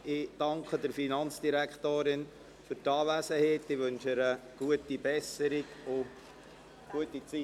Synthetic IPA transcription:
ɪd̥ɑŋkχədəɾfinɑnt͡sd̥iɾækχtoːɾɪn | fyɾtɑːʋæsəheːtːɪʋɵnʃɪɾəɡ̥uətibɛsəɾɪɡʊ | ɡ̥uətit͡si

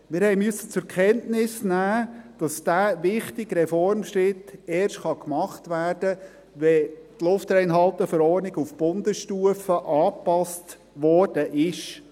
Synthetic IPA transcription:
mɪːɾhɛɪmøsːət͡sʊkʰɛntnɪsnæːd̥ɑsd̥æːʋɪχtɪɡɾɛfɔɾmʃɾɪtɛːɾʃtχɑkmɑχtʋæːrd̥ə | ʋɛtlʊftɾɛɪnɦɑlˠt̪əfəɾɔːɾnɪɡufb̥ʊnd̪əsʃtuəfəʔɑːpɑst | ʋɔːɾd̥əʔɪʃ

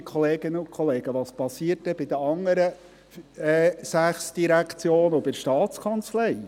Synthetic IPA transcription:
kʰχɔleːɡ̥ɪnəʊnkʰɔleːɡ̥əʋɑːspɑsiəɾt̚dɛb̥ɪd̪əɑŋːəɾə | ɛːsæχsd̥iɾækʰt͡sjoːnɔbɪɾʃtɑːtt͡skʰɑnt͡slɛɪ

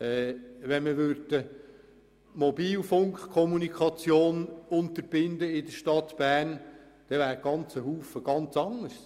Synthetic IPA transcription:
ɛːʋɛnməʋʏɾd̥ə | mɔbiːlfʊŋkχkʰɔmunikʰχɑt͡sjoːnʊnt̪əɾb̥ɪnd̪əɪd̪əʃtɑt̪b̥æːrn | d̪̥ɛʋæːɾɡ̥ɑnt͡səɦuːfəɡ̥ɑnt͡sɑŋəs

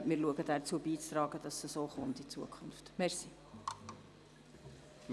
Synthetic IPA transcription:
mɪːɾluəɡədæɾt͡suəbiːt͡st̪ɾɑːɡ̥əd̥ɑsəsoːχʊntit͡suəkʰʊnftmɛɾsi | m

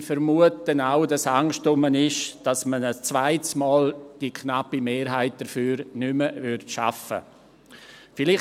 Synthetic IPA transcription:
fəɾmuət̚ənaʊdasaŋʃtʊmənɪʃd̥asmənəst͡svaɪtsmɔːld̥ikʰnapimeːɾɦaɪt̚d̥əɾfyːɾnʏməvʏɾtʃa̰fə̰ | fɪlɪ

